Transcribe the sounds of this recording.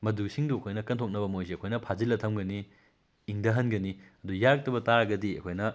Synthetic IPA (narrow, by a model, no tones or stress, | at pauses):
mɐdusiŋduɐkʰojnɐkɐntʰok̚nɐbɐmojsiɐkʰojnɐpʰazilːɐtʰɐmɡɐniː | ŋdɐɦɐnɡɐniɐdujak̚tɐbɐtaɾaɡɐdiɐ̰kʰojnɐ